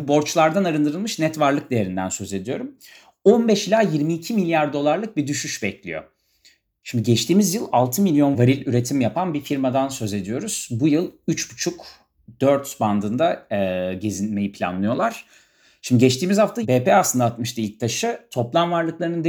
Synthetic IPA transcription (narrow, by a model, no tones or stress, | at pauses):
bo̞ɾt͡ʃlˠaɾd̪anaɾɯnd̪ɯɾɯlˠmɯʃnɛt̪vaɾlˠɯk̚d̪e̞je̞ɾind̪ænsø̞ze̞d̪ijo̞ɾum | o̞nbɛʃilʲaːjiɾmiːcʰimilʲjaɾd̪o̞lˠaɾlˠɯk̚bid̪yʃyʃbɛclʲḭjo̞̰ | ʃimd̪iɟɛt͡ʃt̪ʰiːmizjɯlˠalˠt̪ʰɯmilʲjo̞nvaɾilʲyɾe̞t̪ʰimjapʰanbifiɾmad̪ansø̞ze̞d̪ijo̞ɾuz̥bujɯlˠyt͡ʃbut͡ʃʰuk | d̪̥øɾt̪sband̪ɯnd̪aɟezinʲme̞jipʰlʲa̰nlˠɯjo̞lˠaɾ̥ | ʃimd̪iɟɛt͡ʃt̪iːmizhaft̪ʰabeːpɛaslɯnd̪aːt̪mɯʃt̪ailʲc̚t̪ʰaʃɯt̪ʰo̞plˠanvaɾlˠɯklˠaɾɯnɯnd̪